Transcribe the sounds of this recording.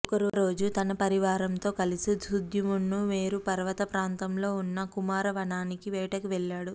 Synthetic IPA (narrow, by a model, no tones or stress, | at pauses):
kɐɾuɾo̞ːd͡ʒut̪ɐnɐpɐɾiʋaːɾɐmt̪o̞ːkɐlisid̪ʱud̪ʱjumunːuʋeːɾupɐɾʋɐt̪ɐpɾaːnt̪ɐmlo̞ːunːɐkumaːɾɐʋɐɳaːnikiʋɛːʈɐkuʋɛɭːaːɽu